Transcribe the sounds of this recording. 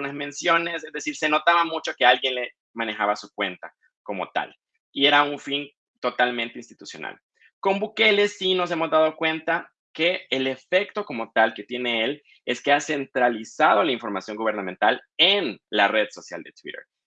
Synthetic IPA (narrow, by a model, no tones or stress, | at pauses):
nazmẽ̞nsjo̞ne̞sezðe̞siɾse̞no̞t̪aβamut͡ʃo̞ke̞alɣje̞nle̞ | mãne̞xaβasukwe̞nt̪a | ko̞mo̞̰t̪a̰l | ie̞ɾauɱfin | t̪o̞t̪almẽnt̪einst̪i̥t̪usjo̞̰na̰l | ko̞mbuke̞le̞sːino̞s̬e̞mo̞zd̪að̞o̞kwe̞nt̪a | ke̞ːle̞fe̞kt̪o̞ko̞mo̞t̪alke̞t̪je̞ne̞el | e̞ske̞ase̞nt̪ɾalisað̞o̞laiɱfo̞ɾmasjo̞ŋɡuβ̞e̞ɾnãmẽ̞nt̪alenlare̞ðso̞sja̰ld̪e̞t̪wḭɾḛɾ